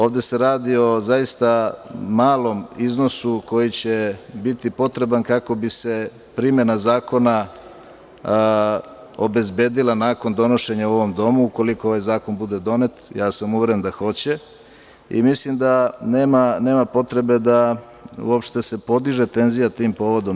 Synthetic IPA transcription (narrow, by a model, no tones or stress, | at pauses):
o̞ʋd̪e̞se̞ɾaːd̪io̞zajist̪amaːlˠo̞mizno̞suko̞jit͡ɕe̞bit̪ipo̞t̪ɾe̞bankako̞bise̞ | pɾimje̞nazaːko̞na | o̞be̞zbe̞d̪ilˠanaːko̞nd̪o̞no̞ʃe̞ɲauo̞ʋo̞md̪o̞muuko̞liko̞oʋajzaːkonbud̪e̞d̪o̞ne̞t̪jaːsamuʋeɾend̪axo̞t͡ɕe̞ | ḭmislimd̪aneːmane̞ːmapo̞t̪ɾe̞be̞d̪a | ṵopʃt̪e̞se̞po̞d̪iʒe̞t̪e̞nzijat̪iːmpo̞ːʋo̞d̪o̞m